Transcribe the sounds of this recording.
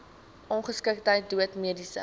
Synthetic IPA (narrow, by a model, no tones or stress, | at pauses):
ʔɔnχəskək̚təjt̚duətmiədisə̰